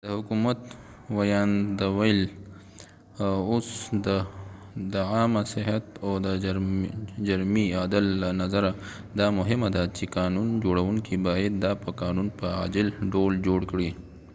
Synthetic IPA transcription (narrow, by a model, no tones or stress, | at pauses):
d̪̥əhʊkumat̪ | wajɑnd̪əwajl | osd̪ə | d̪əɑmasɪɦat̪od̪əɾd͡ʒaɾmiɑːd̪ɪlːanazaɾa | d̪ɑmʊɦɪmad̪at͡ʃekɑnund͡ʒoɽawuŋkibɑjad̪ːɑpəkɑːnunpəa̰d͡ʒɪlɖold͡ʒoɽkɽi